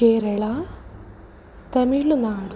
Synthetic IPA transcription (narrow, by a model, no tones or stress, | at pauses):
eːɾɐɭa | t̪ɐmiɭːunaːnd̪